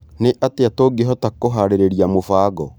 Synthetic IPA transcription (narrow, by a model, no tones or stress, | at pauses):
neʔateatoɡeɦɔtakoɦaɾeɾeɾiamofaːɡɔ